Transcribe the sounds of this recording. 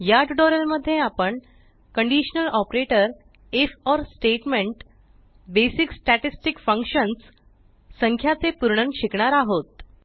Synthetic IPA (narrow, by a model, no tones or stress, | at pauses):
jaʈɖɔɾəlməd̪ʱːjeapəɳ | kəɳɖiɕənəlɔpɾeʈəɾ | efɔɾsʈeʈmeɳʈ | besiksʈæʈisʈikfə̃ŋkɕənsː | əŋkʰjat͡sepuɾɳəŋɕikɳaɾaɦot̪̚